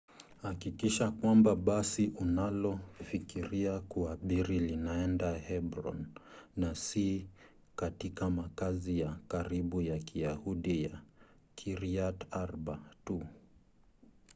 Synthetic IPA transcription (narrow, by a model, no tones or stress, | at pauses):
hakikiʃakwambaɓasiʔunalɔfikiɾiakuaɓiɾilinaɛndahɛbɾɔ̰nːasi | katikamakazijakaɾiɓujakʰiahuɗija | kʰiɾiataɾɓatu